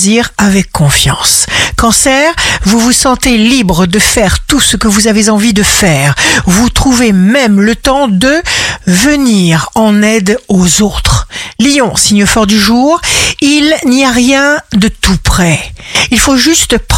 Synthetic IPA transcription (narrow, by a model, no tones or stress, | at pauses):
ziʁavɛkʰːɔ̃fjɑ̃skɑ̃sɛʁvuvusɑ̃t̪elibʁəd̪əfɛʁt̪usəkəvuzavezɑ̃vid̪əfɛːʁvut̪χuvemɛmlət̪ɑ̃d̪əvəniʁɑ̃nɛd̪ozot̪χlijɔ̃siɲjəfɔʁd̪yʒuːʁilniaʁjɛ̃d̪ət̪upχɛilfoʒyst̪p